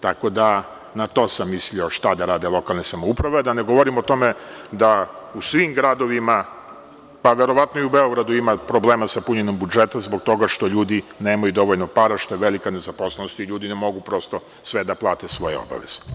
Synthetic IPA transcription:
t̪ako̞d̪a | nat̪o̞samːislioʃt̪ad̪aɾaːd̪e̞lˠo̞kalˠnesamoupɾaʋead̪aneɡo̞ʋo̞ɾimot̪o̞med̪ausʋimɡɾad̪o̞ʋima | paʋe̞ɾo̞ʋat̪noiubeo̞ɡɾad̪uimapɾo̞bleːmasapuɲenombud͡ʒet̪azboɡ̚t̪o̞ɡaʃt̪o̞ʎuːd̪ine̞ːmajud̪o̞ʋo̞ʎnopaɾaʃt̪ojeʋelikane̞zaposlˠenost̪iʎuːd̪inemo̞ɡupɾo̞st̪o̞ | sʋed̪aplˠaːt̪esʋo̞jḛo̞̰ba̰ʋḛz̥e̥

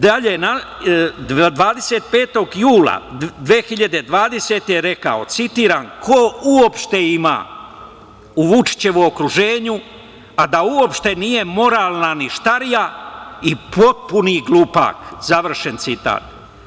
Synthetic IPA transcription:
d̪aʎena | d̪ʋaːd̪e̞seːt̪̚pe̞ːt̪o̞ɡjuːla̰d̪ʋeːxiʎad̪e̞d̪ʋaːd̪e̞se̞ːt̪eɾe̞ka̰o̞̰t̪sit̪iːɾaːnkʰouopʃt̪e̞ima̰ː | uʋut͡ʃi̥t͡ɕe̞ʋookɾuʒe̞ːɲu | ad̪auo̞pʃt̪e̞niːje̞mo̞ɾaːlˠnaniʃt̪aɾijaipo̞t̪̚puniɡlˠupa̰ːkzaʋr̩ʃe̞nt̪sit̪a̰ːt̪

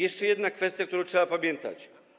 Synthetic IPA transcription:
jɛʂt͡ʂɛjɛd̪nakfɛst̪jak̚t̪uɾɔ̃w̃tʂɛbapamʲjɛnt̪a̰t͡ɕ

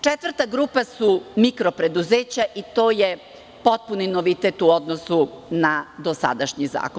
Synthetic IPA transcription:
t͡ʂet̪ʋr̩t̪aɡɾuːpasumikɾo̞pɾe̞d̪uzeːt͡ɕaʔit̪o̞ːje | po̞t̪̚puninoʋit̪et̪uo̞d̪nosunad̪o̞sa̰d̪aʃɲiza̰ːko

